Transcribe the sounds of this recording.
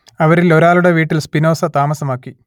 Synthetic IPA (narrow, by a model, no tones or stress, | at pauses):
ɐʋɐɾilo̞ɾaːluɽe̞ʋiːʈːilspino̞ːsɐt̪aːmɐsɐmaːkːi